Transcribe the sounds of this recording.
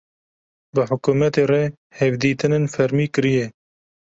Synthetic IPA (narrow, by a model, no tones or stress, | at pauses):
bɨħʊkuːmɛt̪eːre | hɛvd̪iːt̪ɨnɨnfɛɾmiːkɨɾijɛ